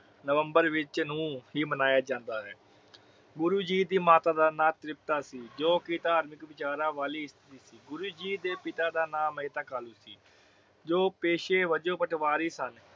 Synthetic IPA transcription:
nəʋəmbəɾʋɪt͡ʃnũːɦiːmənaːjaːd͡ʒãːnd̪aːɦɛ̰ː | ɡʊɾuːd͡ʒiːd̪iːmaːt̪aːd̪aːnãːt̪ɾɪp̚t̪aːsiːd͡ʒoːkɪt̪aːɾmɪkʋɪt͡ʃaːɾaːʋaːliːɪst̪ʰɪɾiːsiːɡʊɾuːd͡ʒiːd̪eːpɪt̪aːd̪aːnãːmeːt̪akaːluːsiː | d͡ʒoːpeːʃeːʋəd͡ʒõːpəʈʰʋaːɾiːsən

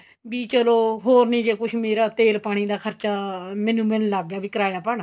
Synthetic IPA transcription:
biːt͡ʃəloːɦoːɾnĩːd͡ʒeːkʊt͡ʃʰmeːɾaːt̪eːlpaːɽ̃iːd̪aːkʰəɾt͡ʃaːmɛ̃ːnũːmɛ̃ːnlaːɡːjaːʋiːkəɾaːjaːpəːɽaː

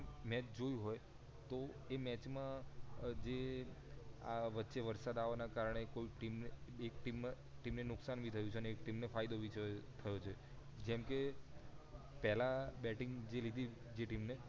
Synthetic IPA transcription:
mɛt͡ʃd͡ʒojũɦoj | t̪oemɛt͡ʃmãd͡ʒe | aʋətːʃeʋəɾsad̪aʋanakaɾəɳ̃ekoiʈimnekʈim | ʈimnenʊksanʋit̪ʰəjũt͡ʃʰeəneːkʈimnefajd̪oʋit͡ʃət̪ʰəjot͡ʃʰe | d͡ʒɛmke | pɛɦlabɛʈiŋɡd͡ʒelid̪ʱi | d͡ʒeʈimne

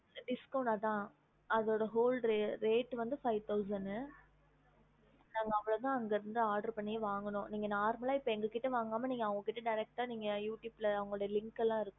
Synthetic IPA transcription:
ɖɪskɐʊɳʈaːt̪ãː | ɐðoːɽɐɦoːlɾeɾeːʈːʋɐnd̪ɯfɐɪʋt̪ɐʊs̬ɐɳɖɯ | nãːŋɡɐɐʋːɐɭɐt̪ãːɐŋɡɐɪɾɯnd̪ɯaːɾɖɐɾpɐɳːɪjɐʋaːŋɡɐɳʊ̃niːŋɡɐnaːɾmɐlaːɪpːɐɛŋɡɐkɪʈːɐʋaːŋɡaːmɐniːŋɡɐʋɐŋɡɐkɪʈːɐɖɐɪɾɛk̚ʈaːniːŋɡɐjuːʈjuːbɪlɐɐʋɐŋɡɐɭʊɽɐjɐlɪŋkɛlːãːɪɾɯkːʊ̃

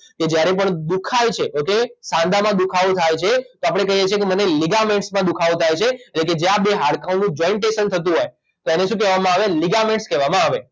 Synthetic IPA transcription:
ked͡ʒjaɾepəɳd̪ukʰajt͡ʃʰeʔokesãnd̪amãd̪ukʰaʋot̪ʰajt͡ʃʰet̪oapəɽ̃ekəɦijet͡ʃʰijekeməneliɡamẽɳʈsmãd̪ukʰaʋot̪ʰajt͡ʃʰeeːʈleked͡ʒeabeɦaɭkãõnũd͡ʒɔiɳʈeʃənt̪ʰət̪̬ũɦoj | t̪oeneʃũkɛʋamãaʋeliɡamẽɳʈskɛʋamãaʋe

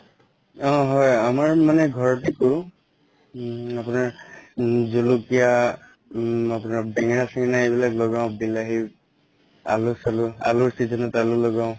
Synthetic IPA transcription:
ɔ̃ɦɔjamaɹmanɛɡʱɔɹɔtikɔɹʊ̃ | apʊnaɹ | zulukija | apʊnaɹbɛŋɹasiŋnaebilaklɔɡaʊ̃bilaɦi | a̰lʊsalʊa̰lʊɹsizɔnɔtalʊlɔɡaʊ̃

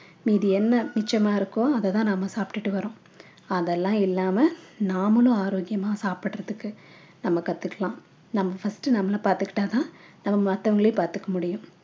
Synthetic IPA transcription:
miːðiɛnːɐnɪt͡ʃːjɐmaːɪɾɯkːõɐðɐt̪ãːnɐmːɐsaːpʈɯʈːɯʋɐɾõː | ɐðɛlːãːɪlːaːmɐnaːmɐlʊ̃aːɾoːɡɪjɐmaːsaːpɪʈːɾɐðɯkːɯ | nɐmːɐkɐt̪ːɯkːɐɭãː | nɐmːɐfɐsʈɯnɐmːɐlɐpaːɾt̪ɯkːɪ̥ʈːaːt̪ãːnɐmːɐmɐt̪ːɐʋɐŋɡɐɭɪjpaːɾt̪ɯkːɐmʊɽɪjʊ̃

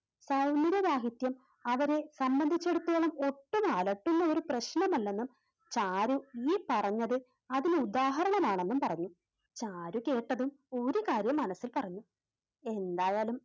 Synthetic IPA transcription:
sɐwniɾɐʋaːɦit̪jɐm | ɐʋɐɾesɐmbɐnd̪ʱit͡ɕːe̞ɽut̪ːuɐːɭɐmo̞ʈːumaːlɐʈːunːɐo̞ɾuprɐɕnɐmɐlːe̞nːum | t͡ɕaːɾuiːpɐrɐɲːɐðɨ | ɐðilud̪aːɦɐɾɐɳɐmaːɳe̞nːumpɐrɐɲːu | t͡ɕaːɾuke̞ːʈːɐðum | o̞ɾukaːɾjɐmːɐnɐsːilpɐrɐɲːu | e̞nd̪aːjaːlum

